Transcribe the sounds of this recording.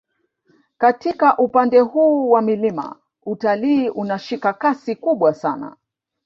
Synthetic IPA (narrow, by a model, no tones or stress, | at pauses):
katikaʔupandɛhuːwamilima̰ | utaliːʔunaʃikakasikuɓwasana̰